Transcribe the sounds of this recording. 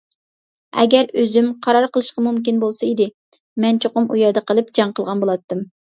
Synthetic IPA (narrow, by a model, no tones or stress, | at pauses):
ɛ̰ɡʲɛɾøzymqʰɑɾɑɾqʰəlˠɨʃqɑmumkʲinbolˠsɑid̪ɪ | mɛnt͡ʃʰoqʊmʔujɛɾd̪ɛqəlˠɨpd͡ʒɑŋqəlˠʁɑnbolˠɑt̪ːɨm